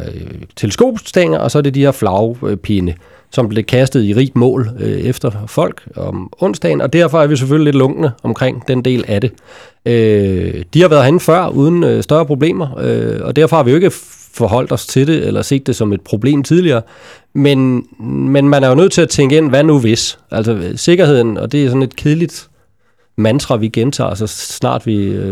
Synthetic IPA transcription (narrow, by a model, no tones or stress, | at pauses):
t͡sʰe̝ləsko̝̰ːb̥sd̥eŋɐʔɒ̽sɒ̽æɐde̝dihe̝ɐflɑ̈ʊpʰenə | sɒ̽mb̥le̝kʰæsd̥ð̩ˠiʁḭːb̥mɔ̰̽ːlefd̥ɐfɒ̽l̰ɡ̥ɒmɔ̽n̰sd̥ɛ̰ɪnɒ̽d̥æɐ̰fɒ̽æɐʋis̬eføl̰ile̝d̥lɔ̽ŋɡ̥nəɒ̽mkʰʁeŋ̰d̥end̥e̝̰ːlæd̥e̝ | ød̥ihɑ̈ʋæːɐðˠɦenfɶɐ̰uðˠn̩øsd̥ɶɐpʰʁo̝b̥le̝̰ːmɐøɒ̽d̥æɐfɒhɑ̈ʋijo̝e̝ɡ̥ə | fɒ̽ɦɒ̽l̰d̥ɒ̽st͡sʰe̝ɾe̝elɐse̝̰ːd̥ːe̝sɒ̽me̝d̥̚pʰʁo̝b̥le̝̰ːmt͡sʰið̞ˠliɐː | menmenmænæɐjonøð̞̰ˠt͡sʰe̝æt͡sʰeŋɡəen̰ʋænuʋe̝sʔælsɒse̝ɡ̥ɐhe̝ð̞̰ˠn̩ɒ̽d̥e̝æsɒ̽ne̝d̥̚kʰeðˠlid̥ | mænd̥ʁɐʋiɡ̥ent͡sʰɑ̰̈ːsɒsnɑ̰̈ːd̥ʋi